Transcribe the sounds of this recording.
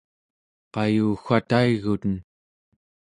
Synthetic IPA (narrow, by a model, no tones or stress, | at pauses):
qɑjuːxʷat̪aiɣut̪ən